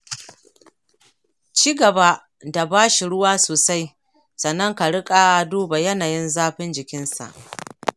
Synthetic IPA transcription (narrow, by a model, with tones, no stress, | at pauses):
t͡ʃiː˦ɡɐ˨ba˦ | da˨baː˦ʃi˨ɽʊ˦waː˦soː˨sa˦j | sɐ˨nːɐ˦ŋka˨ɽɪ˦kʼa˦a˦duː˦ba˨jɐ˦naː˨jɪ˦nzaː˦ɸɪ˦nd͡ʒɪ˨kʲɪ˦nsa̰˨ʔ